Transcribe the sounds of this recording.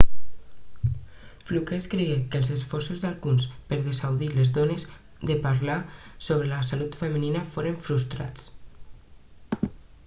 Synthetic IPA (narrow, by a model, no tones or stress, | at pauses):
flukeskɾeɣekəlˠzesfɔɾsuzðalˠɣunspəɾðesawðilezðones | d̪epaɾlasoβɾelasalut̪fəməninafoɾeɱfɾust̪ɾa̰t͡s